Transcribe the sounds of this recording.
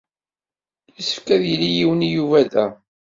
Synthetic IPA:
jisə̥fkæðjəlːijiwənijuvæðæ

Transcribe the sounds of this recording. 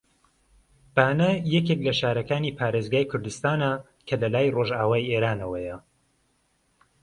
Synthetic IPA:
b̥aːnɐjɛk̬eklɐʃaːɾɐkaːniːpʰaːɾeːzɡaːjkʰʊɾd̪ɨst̪aːna | kʰɐlɐlaːjroːʒaːwaːjieːɾaːnɐwɐjɐ

